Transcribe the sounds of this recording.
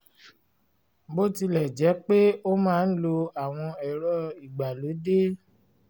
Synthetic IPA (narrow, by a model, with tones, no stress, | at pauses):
bo˦ti˧lɛ˨d͡ʒɛ˨˦k͡pe˦o˦mãː˦˧n̩˦lo˧a˨w̃ɔ̃˧ɛ˨ɾɔ˦i˨ɡ͡ba˨lo˨˦de˦